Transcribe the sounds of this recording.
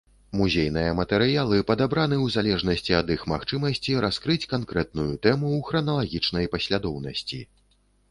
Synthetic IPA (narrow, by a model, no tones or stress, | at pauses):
muzʲejnɨjɐmɐt̪ɛɾɨjalˠɨpɐd̪abɾanɨwzalʲɛʐnɐsʲt͡sʲiɐd̪ixmaxt͡ʂɨmɐsʲt͡sʲiɾaskɾɨt͡sʲkankɾɛt̪̚nujut̪ɛmuwxɾɐnɐlˠaɣʲit͡ʂnɐjpɐsʲlʲad̪ɔwnɐsʲt͡sʲḭ